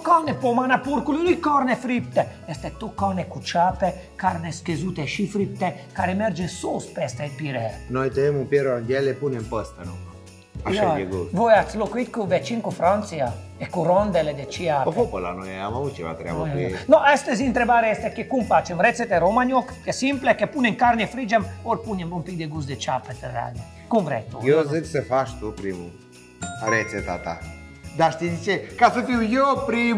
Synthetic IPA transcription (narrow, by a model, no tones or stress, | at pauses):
kɔnɛpɔmanapuɾkulunikːɔɾnɛfɾipt̪ɛɛst̪ɛt̪ːokːɔnɛkut͡ʃapɛ | kaɾnɛskezut̪ɛʃifɾip̚t̪ɛkaɾɛmɛɾd͡ʒɛsospɛst̪ɛɛpiɾɛnojt̪enemumpjɛɾoand̪jɛlepunempəst̪anṵ | aʃɔɡeɡuvojat̪slokwit̪kuvɛt͡ʃːiŋkufɾɔnt̪sia | ekuɾɔnd̪ɛled̪et͡ʃiaɔpopola̰nuɛamavut͡ʃḭva̰t̪ɾɛa̰aknɔʔɛst̪ɛzint̪ɾebaːɾeɛst̪ekekumpat͡ʃemɾet̪set̪eɾomaɲɔkkesimplekepuneŋkaɾnefɾid͡ʒamoɾpuɲembɔmpid̪eɡus̬d̪et͡ʃapet̪era̰d̪i | kuvɾɛ̰t̪ujozesefaʃt̪upɾimṵ | aɾet̪set̪a̰t̪a̰ | d̪aʃt̪id̪it͡ʃekaset̪iujopɾi